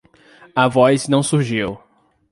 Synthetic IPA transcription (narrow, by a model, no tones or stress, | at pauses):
ɐvɔjznɐ̃w̃suɾʒiw